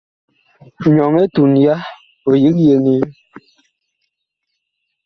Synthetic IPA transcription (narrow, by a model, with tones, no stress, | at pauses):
ɲɔ˨ŋe˦tu˨nja˦ | o˨ji˦kje˨ni˦